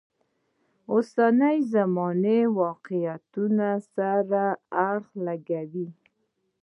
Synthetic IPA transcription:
osanajzamɑnewɑqɪjat̪unasaɾaaɽxlaɡawi

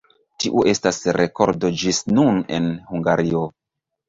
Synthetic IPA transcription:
tiʔuʔe̞stasɾe̞ko̞ɾdod͡ʒisnune̞̰nhuŋɡaɾio

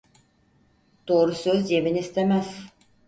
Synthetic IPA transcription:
d̪̥o̞ːɾusøzjeminist̪ʰemæz̥

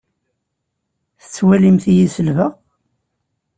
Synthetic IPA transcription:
θə̥t͡sːwælimθijisəlvəʁ

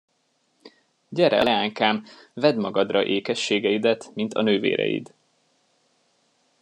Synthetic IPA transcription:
ɟɛɾɛ̰lɛaːŋkaːmvɛd̪mɒɡɒd̪rɒʔeːkɛʃːeːɡɛid̪ɛt̪mint̪ʰɒ̰nøːvḛːɾɛ̰jḭd̪

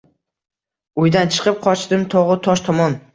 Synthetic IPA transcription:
ʊjd̪ant͡ʃʰɨ̥qʰɨp̚qʰɒt͡ʃd̪ɪmt̪ʰɒʁɨt̪ʰɒʃt̪ʰɒmɒn

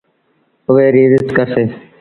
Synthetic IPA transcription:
ʊʋeːɾiːzɪskəɾseː

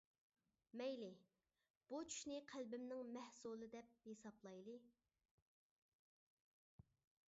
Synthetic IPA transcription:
mɛjlɪ | b̥ut͡ʃʰy̥ʃnɪqʰælbɪmnɪŋmæhsulˠɨd̪ɛp̚hesɑplˠɑjlˠɨ

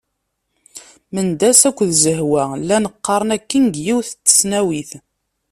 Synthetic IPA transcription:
mənd̪æsækʷːðzəhwælːænəqːɑɾˤənækːinɡjiwθt͡s̪ːə̥snæwiθ

